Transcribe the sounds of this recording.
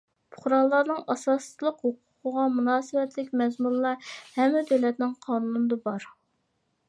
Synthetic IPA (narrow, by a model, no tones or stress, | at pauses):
pʰʊ̥χɾɑlˠːɑɾnɨŋɑsɑːslˠəqhoqʰʊ̥qʰəʁɑmunɑːsɪwɛt̪lɪkʲmɛzmuɾlːˠɑhɛmːɪd̪øwlɛt̪nɪŋqʰɑːnuunɨd̪ɑbɑɾ